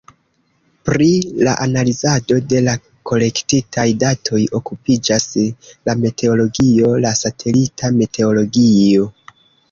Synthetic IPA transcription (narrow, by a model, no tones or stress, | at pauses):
pɾilaʔanalizado̞de̞la | ko̞le̞ktitʰajdatʰo̞jo̞kupid͡ʒaslamete̞o̞lo̞ɡio̞lasatʰe̞litʰamete̞o̞lo̞ɡio̞